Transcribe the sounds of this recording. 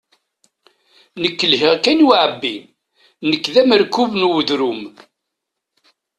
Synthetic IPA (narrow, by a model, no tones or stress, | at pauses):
nəkːəlɦiʁkænwʕəbːi | nəkːðæməɾkːuvnuwəðɾum